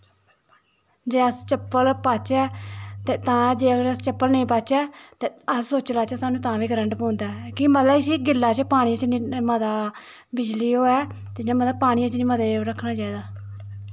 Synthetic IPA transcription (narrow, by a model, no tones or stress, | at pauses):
d͡ʒeːəst͡ʃəpːəlpaːt͡ʃɛːt̪eːt̪ãːd͡ʒeːəɡəɾəst͡ʃəpːəlnəĩːpaːt͡ʃɛːt̪eːəssoːt͡ʃlaːt͡ʃɛːsaːnũːt̪ãːʋiːɡɾəɳɖpõːnd̪aːkimət̪ləʃiːɡɪlːaːt͡ʃəpaːɽ̃iːət͡ʃniːməd̪aː | bɪd͡ʒliːoːɛːt̪eːd͡ʒnãːmət̪əbpaːɽ̃iːət͡ʃniːməd̪eːɾəkʰːnaːd͡ʒaːiːd̪aː